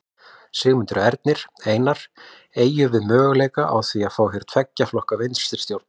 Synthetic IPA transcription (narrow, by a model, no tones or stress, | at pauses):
sɪːɣmɪnt̪ʏɾʏɛɾt̪̚nɪɾ̥eːjnaɾ̥ | eːjʏvɪðmœːɣleːjkaʔa̰wθviaðfaːwɦɪɾ̥t̪ʰvɛcːaflɔhkavejnst̪ɪɾ̥st̪jowɾt̪n